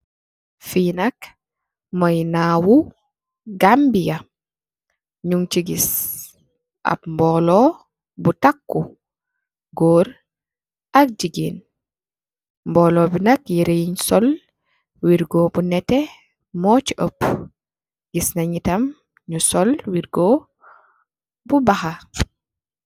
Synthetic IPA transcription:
finɐk | mɐjnawu | ɡambijɐ | ɲuŋt͡ʃiɡis | ʔa̰pmbɔlɔ | butakːu | ɡoːɾ | ɐk̚d͡ʒiɡiːn | mbɔːlɔːbinɐkjiɾejiɲsɔl | wiɾɡɔːbunɛtɛ | mɔːciʔəp | ɡisnɐɲitɐm | ɲusɔlwiɾɡɔ | bubɐxɐ

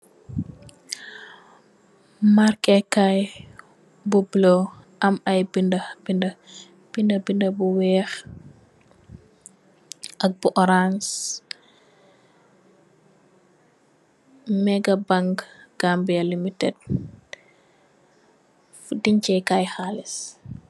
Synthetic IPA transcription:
markɛkaj | bublo | ʔɐmɐjbindɐbindɐ | b̥indɐbindəbuwɛːx | ʔɐk̚buʔɔɾans | mɛɡɐbaŋɡɡ̥ambijɐlimitɛd̚ | fudiɲcɛjkajxaːlis

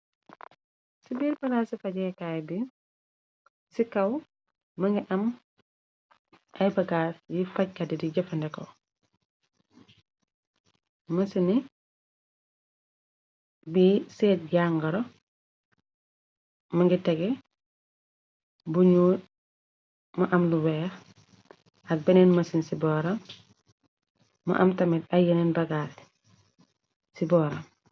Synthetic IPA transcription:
sibiːɾpɐlasifɐɟɛkaːjbi | sikɐw | mɐŋɡiʔɐm | ʔɐjbɐɡasjifɐc̚kadɛdiɟɐfɐndɛkɔ | mɐsini | biseːt̚ɟaŋɡɐɾo | maŋɡitɛɡɛ | buɲuːt | maʔamluwɛːx | ak̚benenmɐsinsibɔɾam | ma̰ʔɐ̰mtɐmitajenenbɐɡal | sibɔːɾam

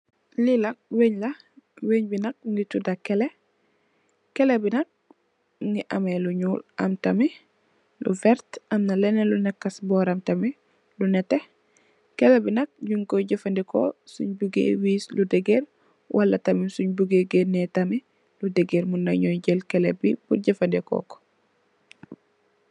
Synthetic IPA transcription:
lilɐk̚weɲlɐ | weɲbinɐk̚ŋɡitudakɛle | kɛlebinɐk̚ | ŋɡiʔɐmeluɲuːlʔɐ̰mtɐmi | lṵvɛɾtɐmnalɛnɛlunɛkːɐsbɔːɾamtɐmi | lunɛte | kɛlɛbinɐk̚ɟuŋkɔɟɐfandɛkɔ̰sṵɲbuɡḛwiːsludɛɡeɾ | wʔalːatamisuɲbuɡeɡenɛtami | ludɛɡeɾmunːaɲɔjɟɛlkɛlɛbibuɟɐfandɛkɔ̰kɔ̥

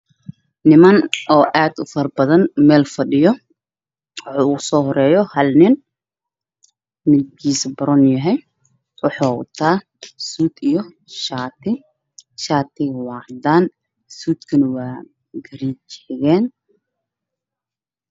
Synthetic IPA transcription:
nɪmɐnʔɔːʔaːd̪ʊfɐrbɐðɐnmɛːlfɐɖɪjɔ | wħuːʊsɔːɦɔɾɛːjɔhɐlnɪn | mɪd̪kʰiːsɐbɐɾɔnjɐɦɛj | wɑħaːʊ̰t̪ʰaː | suːd̪ijɔ | ʃaːt̪ʰɪ | ʃaːt̪ʰɪɣwɑːʕd̪aːn | suːd̪kʰɐnɐwɑː | ɡɐɾit͡ʃɛ̥ɣɛːn

